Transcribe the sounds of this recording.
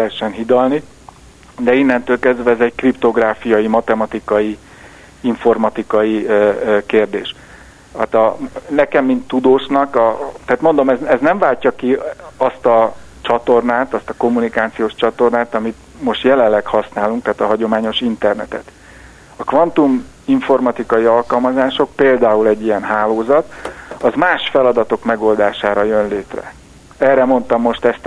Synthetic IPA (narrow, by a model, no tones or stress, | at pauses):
ɦɛʃːɛnɦid̪ɒlni | d̪ɛinːɛnt̪øːlkɛzd̪vɛːzɛɟkript̪o̞ɡraːfijɒjimɒt̪ɛmɒt̪ikɒji | iɱfo̞rmɒt̪ikɒjikeːrd̪ḛːʃ | aːt̪ɒnɛkɛmːint̪ːud̪oːʃnɒkɒt̪ɛat̪mo̞nd̪o̞mɛzɛznɛɱvaːlcɒkiɒst̪ɒt͡ʃɒt̪o̞rnaːt̪ɒst̪ɒko̞mːunikaːt̪sijoːʃt͡ʃɒt̪o̞rnaːt̪ɒmit̪ | mo̞ʃt̪jɛlɛllːɛkhɒsnaːluŋkt̪aːt̪ɒɦɒɟo̞maːɲo̞ʃint̪ɛrnɛt̪ɛ̰t̪ | ɒkʋɒnt̪umiɱfo̞rmɒt̪ikɒjiɒlkɒlmɒzaːʃo̞k̚peːld̪aːulɛɟːijɛnɦaːloːzɒt̪ɒzmaːʃfɛlɒd̪ɒt̪o̞kmɛɡo̞ld̪aːʃaːɾɒjø̞nleːt̪rɛ̰ | ɛːrɛmo̞nt̪ɒmːo̞ʃt̪ɛst̪